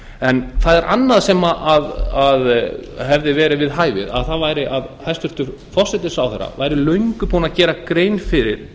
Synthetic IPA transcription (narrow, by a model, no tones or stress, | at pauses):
ɛnθaðɛɾʔa̰nːaðsɛmaʔaðaðɦɛvðɪvɛːɾɪvɪðɦaːjvɪ̰ða̰ðθaðvaːjɾɪʔaðhajst̪ʏɾ̥t̪ʏɾ̥ | fɔsɛt̪ɪ̥sawθɛɾːa̰vaːjɾɪlœɥŋkʏpuːnacɛːɾakɾeːjnfɪɾɪ̰ɾ̥